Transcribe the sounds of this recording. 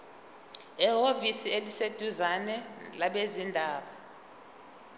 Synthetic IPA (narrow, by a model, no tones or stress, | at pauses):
ɛɦovisielised̥ʱuzanɛlaɓezindʱaːɓa